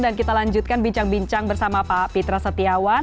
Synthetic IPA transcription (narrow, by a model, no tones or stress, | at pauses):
dankit̪alaɲd͡ʒut̪̚kanbiɲt͡ʃaŋbiɲt͡ʃaŋbərsamapapit̪ɾasət̪iawa